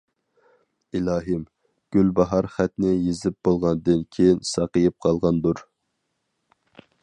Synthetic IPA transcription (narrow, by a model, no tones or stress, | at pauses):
ilɑːɦɨm | ɡ̥ʲylbɑɦɑɾχæt̪nɪjezɪp̚bolˠʁɑnd̪ɨnkʲʰejinsɑqəjip̚qʰɑlˠʁɑnd̪uɾ